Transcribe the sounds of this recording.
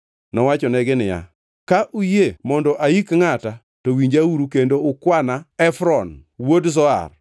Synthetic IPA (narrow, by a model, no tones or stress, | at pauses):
nɔwat͡ʃɔnɛɡɪnɪja̰ | kaʔujemɔndɔʔaikŋata | towiɲd͡ʒauɾukendoʊkwanaɛfɾɔnwodzɔa̰r